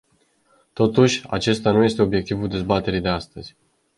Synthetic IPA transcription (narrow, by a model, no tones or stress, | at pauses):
t̪o̞t̪uʃʲa̰t͡ʃe̞st̪anuje̞st̪e̞o̞bje̞k̚t̪ivuld̪e̞zbat̪e̞ɾid̪e̞ast̪əz̥ʲ